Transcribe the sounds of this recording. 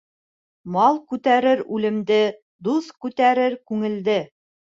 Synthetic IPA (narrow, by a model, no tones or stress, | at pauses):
mɑlˠkʉt̪æɾɘɾʉlɘ̆md̪ɘ | d̪uskʉt̪æɾɘɾkʉŋɘ̆ld̪ɘ